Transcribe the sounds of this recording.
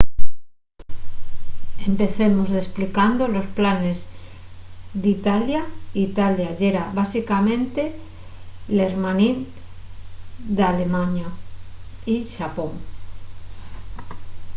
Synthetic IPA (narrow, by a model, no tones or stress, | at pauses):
empe̞θemozðesplikand̪olo̞splane̞z | ðit̪aljait̪aljaʝeɾaβasikamẽnt̪e | leɾmanin | d̪alemaɲa | iʃapoŋ